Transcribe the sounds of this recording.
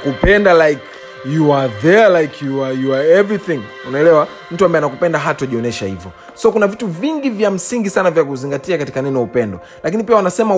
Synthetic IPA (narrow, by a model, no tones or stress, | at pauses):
kupɛndalajk | juaðɛlajkʰjuajuaɛvɹiθĩŋ | unaɛlɛwa | m̩tuambaɛanakupɛndaɦatɔʄiɔnɛʃahḭvjɔ | sɔkunavituviŋɡivjam̩siŋɡisanavjak̬uziŋɡatiakati̥kanɛnɔjaupɛndɔ | lakinipiawanasɛma